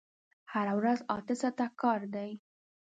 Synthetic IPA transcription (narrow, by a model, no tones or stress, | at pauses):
haɾawɾazɑ̰t̪ɪsat̪akɑɾd̪aj